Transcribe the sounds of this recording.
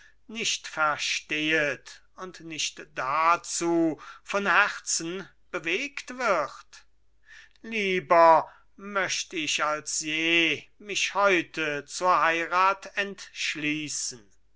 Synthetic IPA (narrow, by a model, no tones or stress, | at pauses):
nɪʃtfɛɐʃteːət | ʊntnɪʃtd̥at͡suːfɔnhɛʁt͡sn̩ | b̥əveːktv̥ɪχt | liːbɐ | mœʃtəɪʃalsjeːmɪʃhɔʏtʰət͡suːɐhaɪʁaːtɛntʃliːsən̩